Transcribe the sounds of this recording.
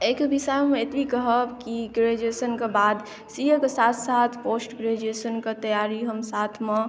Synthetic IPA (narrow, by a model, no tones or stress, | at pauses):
eːkbisamẽet̪bʱikəɦəkiɡɾed͡ʒesənkebaːd̪ | sijəkesaːt̪ʰsaːt̪ʰpoːsʈɡɾed͡ʒeːsənkat̪ɐjaːɾiɦəmsaːt̪ʰmẽ